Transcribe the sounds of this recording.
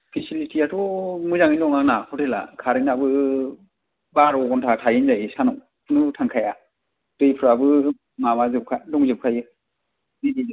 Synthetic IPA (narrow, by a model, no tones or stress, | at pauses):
pʰisilitʰiatʰɔmɯzaŋinɔŋaŋnakʰɔtʰela̰kʰaɾinabɯ | baɾɔɡɔntʰatʰajɯnzajsanɔŋʰ | nutʰaŋkʰaja | d̥ɯjpʰɯɾabɯ | mamazɯp̚kʰadɔŋzɯp̚kʰajɯ | didiz